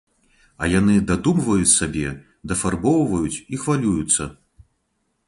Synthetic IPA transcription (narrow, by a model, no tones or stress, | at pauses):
ɐ̰janɨd̪ad̪umvɐjut͡sʲsabʲɛ | d̪ɐfarbɔwvɐjut͡sʲixvalʲujut̪sːɐ